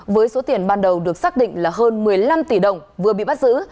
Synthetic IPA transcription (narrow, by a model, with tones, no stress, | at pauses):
vəː˨˦jso˨˦t̪i˧˩ənɓaː˧nɗə˨˩wɗɨ˨˩ək̚saː˦˥k̚ɗḭ˧˨ŋ̟laː˨˩ɦəː˧nmɨ˨˩əjla˧mt̪i˧˩ɗə˨˩wŋ͡mvɨ˨˩əɓḭ˧˨ɓa˦˥t̚zɨ̰˧˥